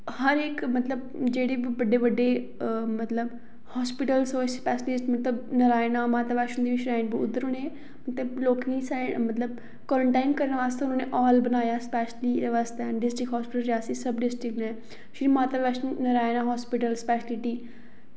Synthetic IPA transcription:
həɾeːkmət̪ləb̚ | d͡ʒeːɽeːbiʋəɖeːʋəɖeː | mət̪ləb | hɔːspɪʈəlsoːspɛːslɪsʈmət̪ləbnəɾaːnaːmaːt̪aːʋɛːʃənd̪iːʋɪt͡ʃɾaːɪnbiʊ̰d̪əɾʊneː | mət̪ləbloːkɪ̃samət̪ləb̚ | kɔːɾəɳʈaːɪnkəɾnːʋaːst̪eːʊnãːnẽːʔɔːlbənaːjaːspɛːʃliːd̪eʋaːst̪eːɖɪsʈɪkɦɔːspɪʈəlɾaːsisəbɖɪsʈɪknɛ̃ː | ʃɪimãːt̪aːʋɛːʃnəɾaːenãːɦɔːspɪʈəlspɛːʃlɪʈiː

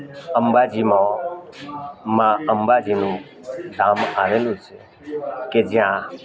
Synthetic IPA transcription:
əmbad͡ʒimõ | mãəmbad͡ʒinũ | saːmaʋelũt͡ʃʰe | ked͡ʒjã

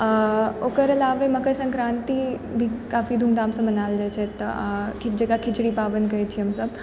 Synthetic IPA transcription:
okəɾlaʋəjməkəɾsə̃ŋkɾant̪iː | bʱiːkafiːd̪ʱumd̪aːmsəmənald͡ʑajt͡ɕʰet̪kʰid͡ʑekakʰit͡ɕɽiːpaʋənkəjt͡ɕʰiːəmsəb

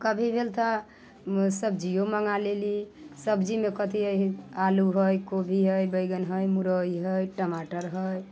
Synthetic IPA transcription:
kəbʱibʱelt̪ʰa | səbd͡ʒioməŋalelisəbd͡ʒimekət̪ʰiəaluɦəjkobʱiɦəjbəjɡənɦəjmuɾəjɦəjʈəmaʈəɾɦəj

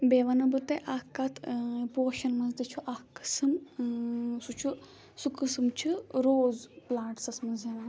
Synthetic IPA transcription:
beːʋɐnɐbɨt̪ɐʔakːat̪ʰpoːʃɐnmɐzd̪it͡ʃʰuʔakːɨ̥sɨm | sut͡ʃʰu | sukɨsɨmt͡ʃʰuɾoːzplaːʈsɐsmɐzena

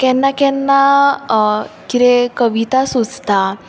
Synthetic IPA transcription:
kɛ̃nːakɛnːa | kit̪ekəʋit̪asud͡zt̪a

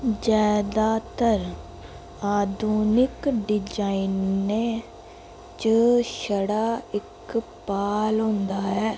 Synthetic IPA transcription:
d͡ʒaːd̪aːt̪əɾ | aːd̪ʱuːnɪkɖɪd͡ʒaːinnːeː | t͡ʃəʃəɽaːɪkpaːlɦʊ̃nd̪aːɦɛː

